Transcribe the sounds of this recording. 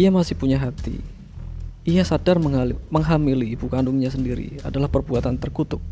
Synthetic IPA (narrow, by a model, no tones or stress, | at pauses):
iamasɪhpuɲaɦat̪ḭ | ijasadarməŋaməŋɦamiliːbukandʊŋɲasəndiɾḭa̰dalahpərbuat̪ant̪ərkut̪ʊp̚